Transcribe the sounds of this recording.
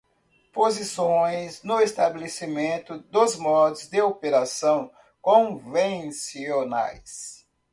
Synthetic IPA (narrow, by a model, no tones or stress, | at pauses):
pozisõj̃znʊest̪abelesimẽnt̪ʊd̪ʊzmɔd̪ʊzd̪ɪopeɾasɐ̃w̃ | kõvẽsiona̰js